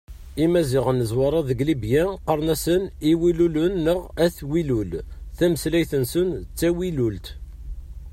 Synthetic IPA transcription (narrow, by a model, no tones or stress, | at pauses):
imæzɪʁənːəzwɑɾˤɑðəɡlibjæqəɾˤnæsəniwilulʊnːəʁæθwilulθæməslæjθənsənt͡sːæwilult̪